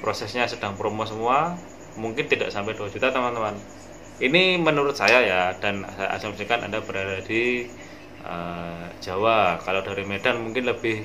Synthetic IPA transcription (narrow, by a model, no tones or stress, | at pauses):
pɾosɛsɲasəd̥aŋpɾomosəmua | muŋkɪnt̪ida̰ʔsampɛduad͡ʒut̪at̪əmant̪əman | inimənuɾʊt̪̚sajajad̥ansaa̰samsikana̰ndab̥əɾadadi | ə̰d͡ʒ̥awakaladaɾimedalmuŋkɪnləbɪh